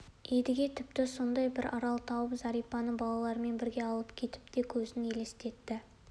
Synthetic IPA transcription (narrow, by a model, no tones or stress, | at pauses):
e̞d̪ɪɡʲe̞t̪ʰɪp̚t̪ɪso̞nd̪ɑjbɪɾɑɾɑlˠt̪ʰɑwəpzɑɾijpɑnəbɑlˠɑlˠɑɾəme̞nbɪɾɡʲe̞ɑlˠəpkʲʰe̞t̪ɪ̥p̚d̪e̞kʲʰɵzɪne̞le̞st̪e̞t̪ːɪ